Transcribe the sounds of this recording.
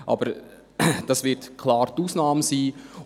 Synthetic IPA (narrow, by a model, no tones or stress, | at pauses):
ʔɑ̰bəɾ | d̥ɑsvɪɾtkʰlɑːɾtuːsnɑːməsiː